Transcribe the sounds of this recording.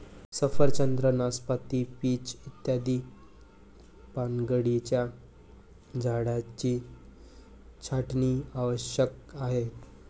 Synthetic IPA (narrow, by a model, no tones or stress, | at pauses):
səfəɾt͡ɕənd̪ɾənaspat̪ipiːt͡ɕit̪jad̪iː | paŋɡəɽit͡ɕja | d͡zaɽat͡ɕiː | t͡ɕʰaʈniːaʋəɕjəkaɦe